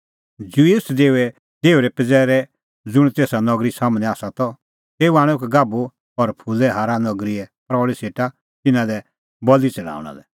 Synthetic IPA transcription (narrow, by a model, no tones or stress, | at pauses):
d͡ʒuiʊsd̪eːuɛ | d̪eːuɾɛpɪd͡zɛːɾɛ | d͡zʊɽ̃t̪eːsanɔɡɾisaːmñɛ̃aːsat̪ɔ | t̪eːuaːɽ̃ɛkɛɡaːbu | ɔɾpʰulɛɦaːɾanɔɡɾiɛpɾɔːɭiseːʈa | t̪ɪnãlɛ | bɔlit͡sɛɽa̰ːʊɽ̃a̰lɛ